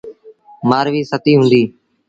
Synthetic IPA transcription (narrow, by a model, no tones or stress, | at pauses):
maːɾʋiːsət̪iːɦʊ̃ːnd̪iː